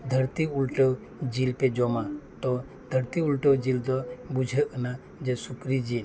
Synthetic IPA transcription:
d̪ʱəɾt̪iulʈəw | d͡ʒilped͡ʒɔmat̪ɔ | d̪ʱəɾt̪iulʈəwd͡ʒild̪ɔbud͡ʒʱəʔəna | d͡ʒɛsukɾid͡ʒil

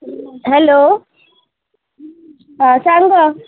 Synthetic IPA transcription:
ɦɛloː | ɦasaŋɡa

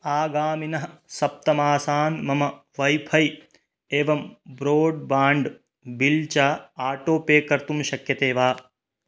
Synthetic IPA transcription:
aːɡaːminɐɦɐsɐp̚t̪ɐmaːsaːnmɐmɐ | ʋɐjpʰɐj | eːʋɐmbɾoːɖ̚baːɳɖ | bilt͡ʃaːaːʈoːpeːkɐɾt̪umʃɐkjɐt̪eːʋaː

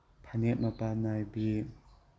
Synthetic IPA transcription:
pʰanet̚mapanajbi

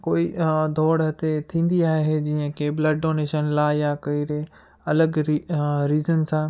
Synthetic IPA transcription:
koːid̪ʱɔːɽɦɐt̪et̪ʰĩːn̆d̪iaːɦɦed͡ʑiːə̃kebləɖɖoːneːʃənlaːjakɐiɾe | ɐləɡiɾiːzənsãː

